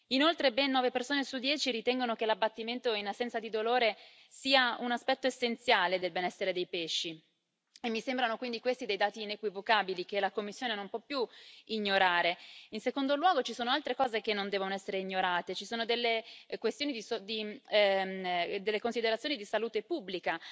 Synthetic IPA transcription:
inolt̪ɾebɛnːɔːvepersoːnesud̪jɛːt͡ʃiɾit̪ɛŋɡonokelabːat̪ːiment̪oinasːɛnt̪sad̪id̪oloːɾe | siːaunaspɛt̪ːoesːent̪sjaːled̪elbenɛsːeɾed̪ejpeʃːi | emːisembɾanokwind̪ikwest̪id̪ejd̪aːt̪iːnekwivokaːbilikelakomːisːjoːnenompwɔpːjuiɲːoɾaːɾeinsekond̪olwɔːɡot͡ʃisoːnoalt̪ɾekɔːzekenːond̪ɛvonoɛsːeɾeiɲːoɾaːt̪et͡ʃisoːnod̪elːekwest̪jonid̪isod̪i | d̪elːekonsid̪eɾat̪sjoːnid̪isaluːt̪epubːlika

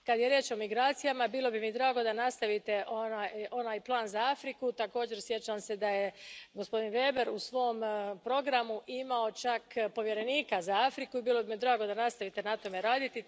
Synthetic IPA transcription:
kad̪je̞ɾje̞ːt͡ʃo̞miɡɾaːt̪sijamabiːlˠo̞bimid̪ɾaːɡo̞d̪anast̪aʋit̪e̞ʔonaːjo̞naːjplˠaːnzaafɾikut̪ako̞ːd͡ʑe̞ɾsje̞t͡ʃamse̞d̪aje̞ɡospo̞d̪inʋe̞ːbe̞ɾusʋo̞ːmpɾo̞ɡɾamuʔimao̞t͡ʃakpo̞ʋje̞ɾe̞niːkazaafɾikuibiːlo̞bimid̪ɾaːɡo̞d̪anast̪aʋit̪e̞nat̪o̞me̞ɾaːd̪it̪i

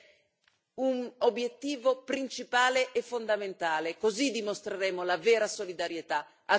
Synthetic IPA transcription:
unobːjet̪ːiːvopɾint͡ʃipaːleʔɛfːond̪ament̪aːlekozid̪imost̪ɾeɾeːmolavɛːɾasolid̪aɾjet̪a | a

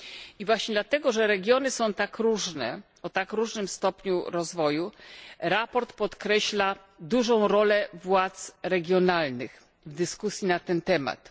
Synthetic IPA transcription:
ivwaɕɲɛd̪lat̪ɛɡɔʐɛɾɛɡʲjɔnɘsɔ̃w̃t̪akɾuʐnɛ̰ | ɔt̪akɾuʐnɘmst̪ɔpɲuɾɔzvɔjuɾapɔɾt̪pɔt̪kɾɛɕla | d̪uʐɔ̃w̃ɾɔlɛvwat̪sɾɛɡʲjɔnalnɘx | vd̪ɘskusʲjinat̪ɛnt̪ɛma̰t̪

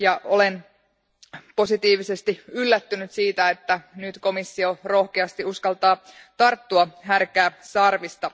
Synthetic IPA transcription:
jɑʔo̞le̞n | po̞sit̪iːʋisest̪iylːæt̪ːynyt̪siːt̪æet̪ːænyt̪ko̞misːio̞ro̞hkeɑst̪iuskɑlt̪ɑː | t̪ɑrt̪ːuɑɦærkæːsɑrʋist̪ɑ

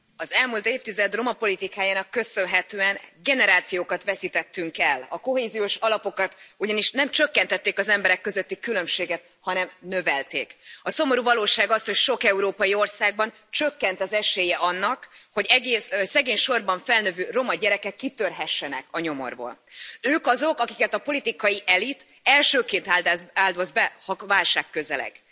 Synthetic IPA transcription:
ɒzɛlmuːlt̪eːft̪izɛd̪ro̞mɒpo̞lit̪ikaːjaːnɒkːø̞sø̞nɦɛt̪øːɛnɡɛnɛɾaːt̪sijoːkɒt̪ʋɛsit̪ɛt̪ːyŋkɛlɒko̞ɦeːzijoːʃɒlɒpo̞kɒt̪uɟɒniʃnɛmt͡ʃø̞kːɛnt̪ɛt̪ːeːkɒzɛmbɛɾɛkːøzøt̪ːikylø̞mʃeːɡɛt̪̚ | hɒnɛmnø̞vɛlt̪ḛːkɒso̞mo̞ɾuvɒloːʃaːɡɒsho̞cʃo̞kɛuɾoːpɒjio̞rsaːɡ̚bɒn | t͡ʃø̞kːɛnt̪ɒzɛʃeːjɛʔɒnːɒkho̞ɟɛɡeːssːɛɡeːɲʃo̞rbɒɱfɛlnøvøːro̞mɒɟɛɾɛkɛkːit̪ørɦɛʃːɛnɛ̰kɒɲo̞mo̞̰rbo̰ːløːkɒzo̞kɒkikɛt̪ɒpo̞lit̪ikɒjiʔɛlit̪ | ɛlʃøːkeːnt̪ad̪zaːld̪oːzbɛhɒvaːlʃaːkːø̞zɛlɛ̰ɡ̥

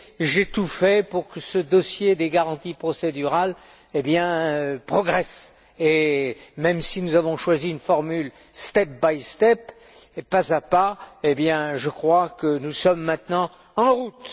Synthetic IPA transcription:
ʒet̪ufɛpuʁkəsəd̪ɔsjed̪eɡaʁɑ̃t̪ipχɔsed̪yʁal | ebjɛ̃pχɔɡʁɛs | emɛmsinuzavɔ̃ʃwaziynfɔʁmyl | st̪ɛp̚bajst̪ɛp | pazapaebjɛ̃ʒəkχwakənusɔmːɛ̃t̪nɑ̃ | ɑ̃ʁut̪

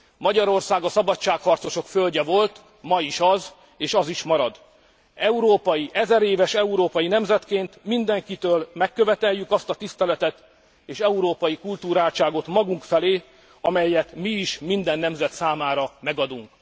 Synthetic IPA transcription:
mɒɟɒɾo̞rsaːɡɒsɒbɒtt͡ʃːaːkhɒrt̪so̞ʃo̞kfølɟɛvo̞lt̪ | mɒiʃɒz | eːʃɒziʃmɒɾɒd̪ | ɛuɾoːpɒjiʔɛzɛɾeːvɛʃɛuɾoːpɒjinɛmzɛt̪keːnt̪mind̪ɛŋkit̪øːlmɛkːø̞vɛt̪ɛjːykɒst̪ɒt̪ist̪ɛlɛt̪ɛt̪ | eːʃɛuɾoːpɒjikult̪uːɾaːlt͡ʃaːɡo̞t̪mɒɡuŋkfɛleː | ɒmɛjːɛt̪miːʃmind̪ɛnːɛmzɛt̪saːmaːɾɒmɛɡɒd̪uŋk

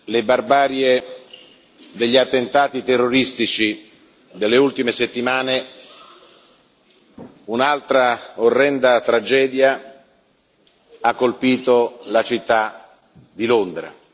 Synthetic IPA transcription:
lebarbaːɾje | d̪eʎːiat̪ːent̪aːt̪it̪erːoɾist̪it͡ʃi | d̪elːeult̪imeset̪ːimaːne | unalt̪ɾaorːɛnd̪at̪ɾad͡ʒɛːd̪ja | akːolpiːt̪olat͡ʃit̪ːa | d̪ilond̪ɾa̰

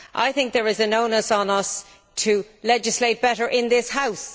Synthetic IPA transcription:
ʔa̰ɪθɪ̃ŋk̚ðə˞ɪzənoʊ̃nəsn̩ʌs | tʰə | lɛd͡ʒɨsleɪt̚b̥ɛɾə˞ʔɪ̃nðɪshaʊs

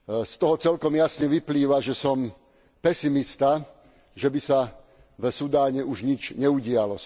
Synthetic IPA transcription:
st̪ɔɦɔt͡sɛlkɔmjasɲɛʋipliːʋaʒɛsɔm | pɛsimist̪a | ʒɛbisa | vsud̪aːɲɛuʒɲit͡ʃɲɛuɟɪalɔ

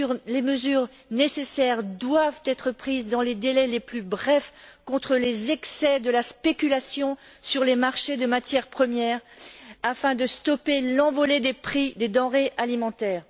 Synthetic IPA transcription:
ʁleməzyʁ | nesesɛʁd̪wavt̪ɛt̪χəpχizd̪ɑ̃led̪elɛleplybʁɛfkɔ̃t̪χəlezɛksɛd̪əlaspekʲylasjɔ̃syʁlemaʁʃed̪əmat̪jɛʁpχəmjɛʁafɛ̃d̪əst̪ɔpelɑ̃vɔled̪epχid̪ed̪ɑ̃ʁeʔalimɑ̃t̪ɛːʁ

